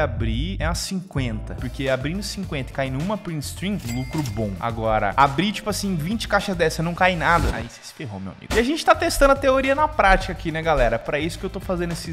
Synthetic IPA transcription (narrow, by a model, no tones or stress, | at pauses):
abɾiɛɐsĩŋkwẽnt̪ɐpoɾkeabɾĩnd̪ʊsĩkwẽnt̪ɐɪ̥kainũmɐpɾĩst̪ɾĩlukɾʊbõw̃a̰ɡɔɾɐ̰abɾit͡ʃi̥pʊasĩvĩnt͡ʃɪ̥kaʃɐzd̪ɛsɐnɐ̃w̃kajnad̪ɐa̰ise̥sɪ̥feɦo̰mewa̰mḭɡʊɪaʒẽnt͡ʃɪt̪at̪est̪ɐ̃nd̪ɐt̪eoɾiɐnɐpɾat͡ʃi̥kakinɛɡalɛɾɐpɾɐisʊ̥kɪewt̪ofazẽnd̪ʊesɪ